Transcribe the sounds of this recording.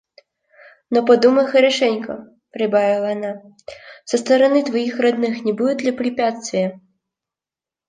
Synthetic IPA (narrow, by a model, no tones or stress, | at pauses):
nɔpɐd̪umɐjxɐɾɛʂɛnʲkɐ̰ | pɾɨbavʲilˠɐjana | sɐst̪ɐɾɐnɨt̪vajixrɐd̪nɨxnʲɛbud̪ud̪lʲɐpɾɨpʲat̪st̪vʲijɐ